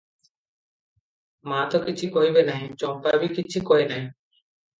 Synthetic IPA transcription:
mãːt̪oːkɪt͡ʃʰiːkoːiːbeːnaːɦĩːt͡ʃõːmpaːbiːkɪt͡ʃʰiːkoːiːnaːɦĩː

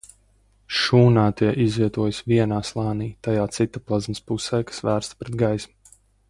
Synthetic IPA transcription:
ʃuːnaːt̪iɛʔizviɛt̪uɔjsviɛnaːslˠɑːniːt̪ajaːt̪sit̪aplˠazmɪspusɛːkḁsvæːɾst̪pɾed̪ɡajsmu

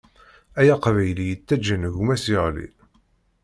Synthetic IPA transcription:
æjaqvæjlijət͡sːæd͡ʒːənʝumæsiʁlḭ

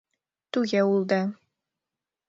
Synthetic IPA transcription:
t̪ʉɣæulˠd̪ɤ

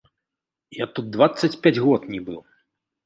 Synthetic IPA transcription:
jat̪ud̪̚d̪vat̪sːɐt͡sʲpʲad͡zʲɣɔt̪nʲibɨ

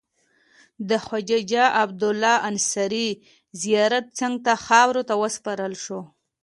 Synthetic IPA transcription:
d̪əxwad͡ʒad͡ʒaʔabd̪ʊlːɑansaɾi | zijɑɾat̪̚t͡səŋɡt̪axɑwɾot̪awəspɑɾəlʃo

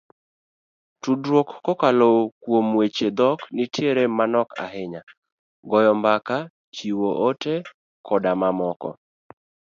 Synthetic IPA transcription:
tudɾwokːɔkalokwomwet͡ʃed̪ɔknitjeɾemanɔka̰ɦɪɲa | ɡɔjɔmbaka | t͡ʃiwoʔote | kʰɔdamamɔkɔ̰

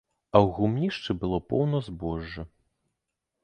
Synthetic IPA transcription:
ɐwɣumnʲiʂt͡ʂɨbɨlˠɔpɔwnɐzbɔʐːɐ

